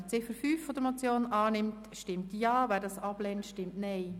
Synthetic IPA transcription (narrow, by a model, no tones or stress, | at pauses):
t͡sɪfəɾfyːfːɔd̪əɾmot͡sjoːnɑːnɪmt | ʃtɪmtjɑːvæːdɑsɑb̥lɛntʃtɪmtnɛɪ